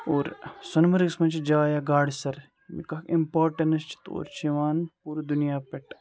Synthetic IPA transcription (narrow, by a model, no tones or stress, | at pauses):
oːɾsɐnmɐɾɡsmɐnt͡ʃʰid͡ʒaːjaːɡaːɽsɐɾ | mḭkɐkimpaːɾʈɐnɐst͡ʃʰi̥t̪o̰ːɾt͡ʃʰeʋaːnpuːɾd̪unijaːpeʈ